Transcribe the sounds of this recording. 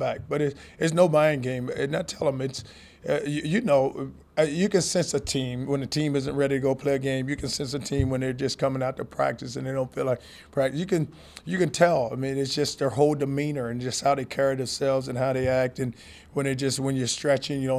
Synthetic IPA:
bak̚b̥ʌɾɨɨts̬noʊbãɪ̃ɪ̃ŋɡẽɪ̃mnɨtʰɛlˠə̃mɨts | ʌjɨjɨnoʊ | jɨkɨ̃nsɛ̃nsɨtʰĩmwə̃nɨtʰĩmɪzɨ̃nʔɹɛɾiɾɨɡoʊpʰl̥eɪɨɡẽɪ̃mjɨkʰɨ̃nsɛ̃nsɨtʰĩmwə̃nðə˞d͡ʒʌskʰʌmɪ̃ŋaʊtʰəpʰɹ̥æ̰k̚tɨsɨ̃nðeɪɾõʊ̃ntfilaɪk̚ | pʰɹ̥æk̚jɨkɨ̃n | jɨkɨ̃ntʰɛlˠaɪmĩnɨtsd̥ʒ̥ʌstəhoʊlˠdɨmĩnə˞ɨ̃nd͡ʒʌst̚haʊðeɪkʰɛɹiðɨ̃msɛlˠvzɨ̃nɦaʊɾeɪæk̚tɨ̃n | wə̃nɨd͡ʒʌst̚wə̃njə˞stɹ̥ɛt͡ʃɪ̃ŋjɨɾõʊ̃

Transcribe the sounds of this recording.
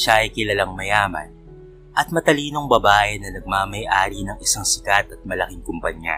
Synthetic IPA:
ʃaʔɐjkɪlɐlaŋmɐjaːmɐ̰n | ʔɐt̪̚mɐt̪ɐliːno̞ŋbɐbaːjɐnːɐnɐɡ̚maːmɐjʔaːɾinɐŋɪsaŋsɪkat̪ɐt̪̚mɐlɐkiŋkʊmpɐɲja̰

